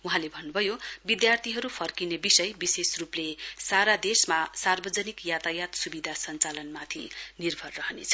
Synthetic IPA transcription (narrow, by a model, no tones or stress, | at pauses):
uɦãlebʱʌnːubʱʌjobid̪jart̪ʰiɦʌɾupʰʌrkinebisʌjbisesruplesaɾad̪esmasarbʌd͡zʌnikjat̪ajat̪subid̪ʱasʌnt͡salʌnmat̪ʰḭnirbʱʌrːʌɦnḛt͡sʰʌ